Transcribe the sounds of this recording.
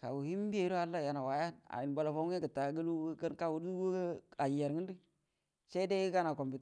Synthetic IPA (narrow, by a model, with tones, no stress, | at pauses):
ka̰˨wu˨hi˦m˦bi˦e˦˨˦ɾo˦a˦lːa˦ja˨na˨wa˨ja˦na̰˨i˨n˨bo˨lo˨fo˦e˦kə˨ta˨˦ɡə˦lu˦kə˦nka˦wu˨ɾu˦wa˨ji˨a˨ɾŋi˦n˦di˦ | se˦de˦i˦ka˦na˨ko˨mbi˨t